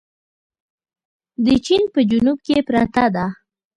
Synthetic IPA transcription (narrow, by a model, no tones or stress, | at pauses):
d̪ət͡ʃinpəd͡ʒunub̚kepɾat̪ad̪a